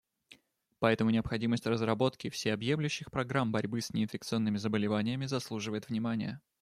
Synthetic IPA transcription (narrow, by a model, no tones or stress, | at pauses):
pɐɛt̪əmʊnʲɪɐpxɐdʲiməsʲtʲrəzrɐbo̞t̪kʲɪfsʲejɐbje̞mlʲʉɕːɪxpɾɐɡɾambɐɾʲbɨsnʲɪɪnfʲɪk̚t̪sɨo̞nːɨmʲɪzəbəlʲɪvanʲɪjəmʲɪzɐslˠuʐɨvəjɪt̪vnʲɪmanʲɪ̰jə